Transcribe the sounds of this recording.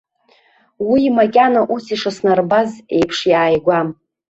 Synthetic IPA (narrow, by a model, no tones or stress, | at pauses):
wimakʲʼanaʔusiʂasnarbaze̞jpʰʂjaːjɡʷam